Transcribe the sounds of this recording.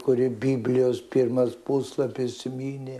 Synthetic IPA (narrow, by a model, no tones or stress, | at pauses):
kʊɾʲɪbʲiːbʲlʲɪjoːspʲirmɐspuslˠɐpʲɪsʲɪmʲiːnʲe